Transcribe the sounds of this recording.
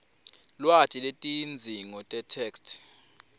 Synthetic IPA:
lwatʼiletʼind͡zʱiŋɔtʼɛtʰɛːkstʰ

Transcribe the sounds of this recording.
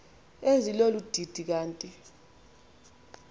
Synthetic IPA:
ezilolud̥ʱid̥ʱik̬aːntʼi

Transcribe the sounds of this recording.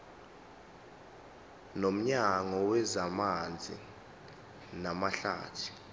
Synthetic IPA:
nom̩ɲaŋɔwɛzamand͡zʱḭ | namaɬa̰ːtʰi̥

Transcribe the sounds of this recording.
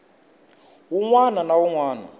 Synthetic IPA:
ɦuŋwananawuŋwaːna̰

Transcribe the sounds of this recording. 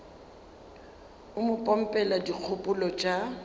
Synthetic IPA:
ʊmʊpʼɔm̩pʼɛladik͡xʰʊpʼʊlɔt͡ʃʼa

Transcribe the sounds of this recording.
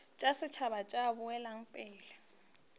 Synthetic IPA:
t͡ʃʼasɪt͡ʃʰaβat͡ʃʼabʊɛlaŋ̩pʼɪːlɛ

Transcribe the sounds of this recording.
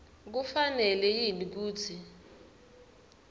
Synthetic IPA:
k̬ufanɛlɛjinik̬uːt͡sʰi

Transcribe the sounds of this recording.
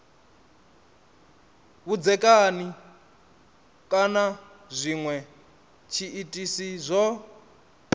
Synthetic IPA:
βud͡zɛkʼani | kʼana | zʷiŋwɛ | t͡ʃʰiitʼisizʷɔ

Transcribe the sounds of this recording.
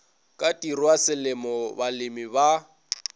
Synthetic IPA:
kʼatʼirwasɪlɪmɔbalɪmiba

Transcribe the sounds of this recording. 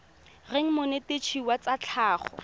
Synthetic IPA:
reŋ̩mʊnetet͡ʃʰiwat͡sat͡ɬʰaːχɔ̰

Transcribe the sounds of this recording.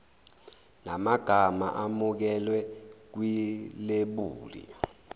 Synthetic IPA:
namaɡ̥ʱama̰ʔamuk̬ɛlwɛk̬wileɓuːlḭ

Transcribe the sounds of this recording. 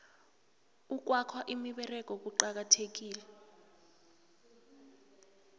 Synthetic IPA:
uk̬wakʰwaʔimiɓɛrɛk̬ʼɔk̬uǃak̬atʰek̬iːlɛ

